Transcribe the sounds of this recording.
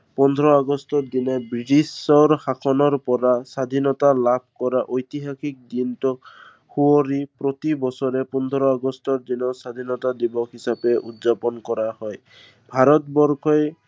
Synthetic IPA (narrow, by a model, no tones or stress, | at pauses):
pɔnd̪ʱɔɾɔaɡɔstɔd̪inɔbɹiʈisɔɾxakʰɔnɔɹpɔɾasad̪ʱinɔt̪alab̚ʱkɔɾaʔojt̪iɦakʰik̚d̪intɔk | huɔɾipɾɔt̪ibɔsɔɾepɔnd̪ʱɔɾɔaɡɔstɔɾd̪inɔsad̪ʱinɔt̪ad̪ibɔkʰɦisapeʔutzapɔnkɔɾahɔj | bʱaɾɔt̪bɔɾkʰɔj